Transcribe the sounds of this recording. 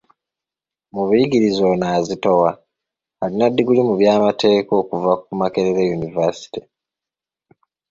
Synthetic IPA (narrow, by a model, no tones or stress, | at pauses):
muβujiɡiɾizo̞naːzito̞wa | halinadːiɡulimuβjaːmate̞ːko̞ːkuvakumake̞ɾeɾejunivasi̥ti